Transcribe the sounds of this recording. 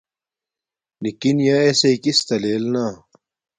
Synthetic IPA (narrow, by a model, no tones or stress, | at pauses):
nikinjaeseikist̪ɐleːlnaː